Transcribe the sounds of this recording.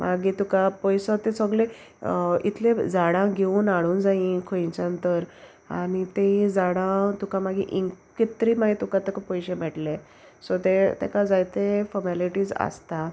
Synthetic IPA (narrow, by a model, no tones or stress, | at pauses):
mʔaɡit̪ukapɔjsɔt̪esəɡle | ḭt̪ʰled͡zaɽãɡʱeuːnaɽuːnd͡zaĩkʰojt͡ɕãnt̪əɾ | a̰nit̪ẽɦĩd͡zaɽãt̪ukamaɡḭʔiŋkkit̪ɾiːmaɡit̪ukãt̪ekapɔjɕemɛʈlẽ | sɔt̪et̪ḛkad͡zajt̪efɔɾmaliʈiːd͡za̰st̪a